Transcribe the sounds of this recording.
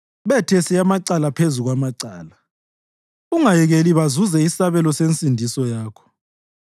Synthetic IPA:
βɛtʰɛsiamaǀalapʰezuɣwamaǀaːla | uŋajɛɣeliβazuzɛisaβɛlɔsent͡sʼindʱisɔjaːkʰɔ̥

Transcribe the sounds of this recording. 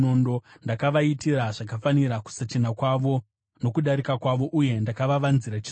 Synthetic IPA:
ondondakaʋaitiraʐak̬afaniɾaku̥sat͡ʃinakwaʋo̞ | no̞kuɗaɾikakwaʋo̞ʔuje̞ndakaʋaʋanziɾat͡ʃi

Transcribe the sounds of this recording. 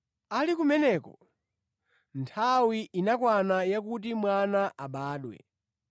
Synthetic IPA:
alikumɛnɛːkɔ | ntʰawiʔinakwanajak̬ut̬imwanaʔaɓaːɗwɛ̰

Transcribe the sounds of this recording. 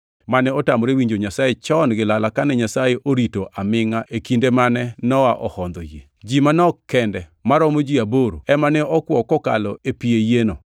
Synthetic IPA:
manɛɔtamɔɾewiɲd͡ʒoɲasajet͡ʃɔnɡɪlalakanɛɲasajeʔoɾitoʔamɪŋaʔekindemanɛnɔwaʔɔhɔnd̪ɔjḛd͡ʒimanɔkːɛndɛmaɾɔmod͡ʒiaboɾo̰ɛmanɛɔkwɔkɔka̰lɔepiejeno

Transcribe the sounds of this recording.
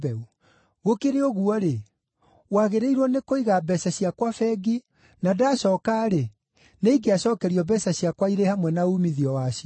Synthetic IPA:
bɛu | ɣokeɾeɔɣuɔɾe | waɣeɾeiɾwɔnekoiɣabɛsaɕiakwafɛɡi | nadaɕɔkaɾe | neiɡeaɕɔːkɛɾiɔbɛsaɕiakwaiɾehamwɛnaumiðiɔwaɕiɔ

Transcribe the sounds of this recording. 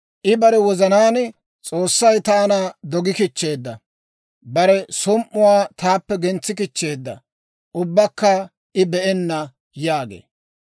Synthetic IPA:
ʔɪbɐɾɛwɔzɐnaːn | t͡sʼo̞ːsːɐjt̪aːnad̪ɔɡɪkɪt͡ʃːe̞ːd̪ːɐ | bɐɾɛsʊmʔːʊwaːt̪aːpːɛɡɛnt͡sːɪkɪt͡ʃːe̞ːd̪ːɐ̰ | ʔʊbːɐkːɐ | ʔɪbɛʔɛnːɐ | jaːɡḛː

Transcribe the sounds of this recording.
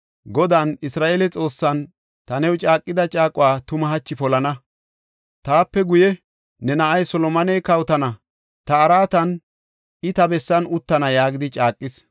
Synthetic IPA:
ɡɔd̪anɪsɾaːʔelɛt͡sʼo̞ːsːɐn | t̪ɐnɛwt͡ʃʼaːkʼːɪd̪ɐt͡ʃʼaːkʼʊwaːt̪ʊmɐɦɐt͡ʃːɪpɔlɐnɐ | t̪aːpːɛɡʊjɛ | nɛnɐʔɐjsɔlɔmɐnɛjkɐwt̪ɐnɐ | t̪ɐːɾaːt̪ɐn | ɪt̪ɐbɛsːɐnʊt̪ːɐnɐjaːɡɪd̪ɪt͡ʃʼaːkʼːɪs

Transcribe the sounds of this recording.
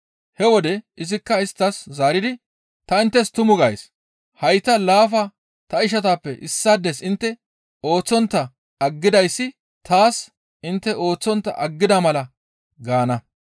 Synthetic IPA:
hɛwɔd̪ɛʔɪzɪkːɐɪst̪ːɐszaːɾɪd̪ɪ | t̪ɐɪnt̪ːɛst̪ʊmʊɡɐj̰s | hɐjt̪ːɐlaːfɐ | t̪ɐɪʃ̬ɐt̪aːpːɛʔɪsːad̪ːɛsɪnt̪ːɛ | o̞ːt͡sːɔnt̪ːɐː | ɡːɪd̪ɐjsːɪ | t̪aːs | ɪnt̪ːɛʔo̞ːt͡sːɔnt̪ːɐ̰ʔɐɡːɪd̪ɐmɐlɐ | ɡaːnɐ

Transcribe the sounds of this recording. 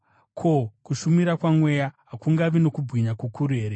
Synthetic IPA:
kʰo̞kuʃumiɾakwamwe̞jaɦakuŋɡaʋino̞kubɣiɲakukuɾeːɾe

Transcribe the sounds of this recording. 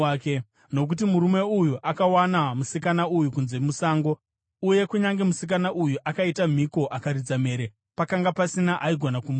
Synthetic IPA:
ke | no̞k̬ut̬imuɾume̞ujuʔakawanamusikanaujukunze̞musaːŋɡo̞ | uje̞kuɲaŋɡe̞musik̬anaʔujuʔakaitam̤iko̞ʔakaɾid͡zame̞ːɾe | pakaŋɡapasinaʔaiɡʱo̞nakum

